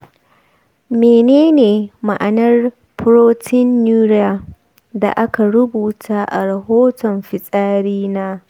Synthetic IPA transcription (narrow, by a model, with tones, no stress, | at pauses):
meː˨neː˦neː˨ma˨ʔa˨nɐ˦r | pʊ˦ɾoː˦tʰɪ˦nːuː˦ɾja˨ | da̰˨ʔa˦ka˨ɽʊ˦buː˨tʰaː˦ʔa̰˨ɾɐ˨ɦoː˦tɔ˨mɸɪ˨sʼaː˦ɽiː˦naː˦